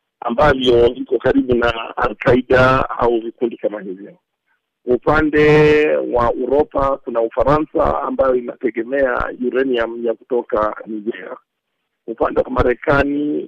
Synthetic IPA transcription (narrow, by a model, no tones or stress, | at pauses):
a̰mbavjɔvikɔkaɾiɓunaa̰lkaiɗaa̰uvikundikamahivjɔ | upandɛwauɾɔpakunaufaɾansa̰a̰mbajɔinatɛɠɛmɛa̰juɾɛniam̩jakutɔkaniɡɛa̰ | upandɛwamaɾɛkani